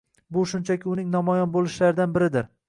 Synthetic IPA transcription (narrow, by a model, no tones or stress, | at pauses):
bʊʃʊnt͡ʃʰakʲɪʊnɪŋnɒmɒjɒnbolˠɪʃlaɾɪd̪anbɪɾɪd̪ɪɾ